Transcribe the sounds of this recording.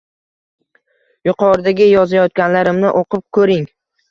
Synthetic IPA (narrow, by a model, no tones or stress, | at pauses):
jʊqʰɒɾɪd̪aɡʲɪjɒzajɒt̪̚kʲanlaɾɪmnɪʔoqɨp̚kʰɵɾɪŋ